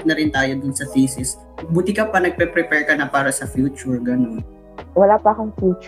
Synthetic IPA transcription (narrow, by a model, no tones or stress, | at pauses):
nɐɾɪnt̪aːjod̪ʊnsɐt̪iːsɪs | buːt̪ɪkɐpɐnɐɡ̚pɛpɾɛpɛɹkɐnɐpaːɾɐsɐfjuːt͡ʃʊɹɡɐnon | wɐlapɐʔɐkʊŋfjuːt͡ʃ